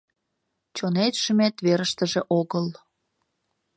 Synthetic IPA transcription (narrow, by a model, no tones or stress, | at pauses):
t͡ɕonet̪ʃəmet̪βeɾəʃt̪əʒeʔoɣəl